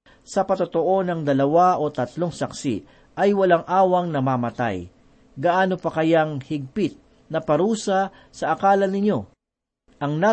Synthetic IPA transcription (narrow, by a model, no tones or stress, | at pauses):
sɐpɐt̪ot̪o̞ʔo̞nɐŋd̪ɐlɐwaʔo̞t̪ɐt̪lo̞ŋsɐksḭ | ʔɐjwɐlaŋʔaːwɐŋnɐmamɐt̪a̰j | ɡɐʔaːno̞pɐkɐjaŋhɪɡ̚pɪt̪̚ | nɐpɐɾuːsɐ | sɐʔɐkaːlɐnɪɲo̞ | ʔɐŋna